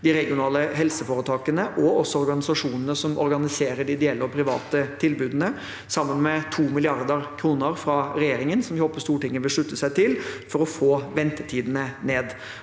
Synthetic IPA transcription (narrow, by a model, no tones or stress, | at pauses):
d̪ɪɾɛɡɪʊnɑːləɦɛlsəfoːɾət̪ʰɑːkənəʔɔɔsːɔɔɾɡɑnɪsɑʂuːnənəsɔmʔɔ̰ɾɡɑnɪseːɾəɖɪɪd̪ɛɛlːəɔpʰɾɪʋɑ̰ːt̪ət̪ʰɪlbʉːd̪ənə | sɑmːənmɛt̪ʰuːmɪlɪɑɾd̪əɾkʰɾuːnəɾfɾɑɾɛjeːɾɪŋənsɔmhopːəst̪uːʈɪŋːəʋɪlʂɭʉt̪ːəsæɪt̪ʰɪlfɔɾɔfoːʋɛnt̪ət̪ʰiːd̪ənəneːd̪